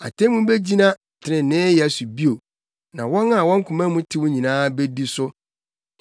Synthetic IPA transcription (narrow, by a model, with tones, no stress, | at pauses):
a̰˨tʰẽ˦mũ˦be˦d͡ʑi˦nã˦˨tʰɪ˨nɪ̃˨nɪ̃ː˦jɛ˨su˨bi˦o˨ | nã˨wɔ̃˦na˦˨wɔ̃˦ŋ̩˦kʰʊ̃˨mã˦mũ˦tʰɪ˦wʊ̃˦ɲĩ˨nãː˦be˦di˦sʊ˦